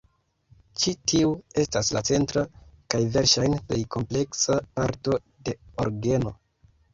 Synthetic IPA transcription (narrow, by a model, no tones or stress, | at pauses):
t͡ʃitiue̞staslat͡se̞ntɾakajve̞ɾʃajnple̞jkʰo̞mple̞ksapaɾto̞ | de̞o̞ɾɡe̞no̞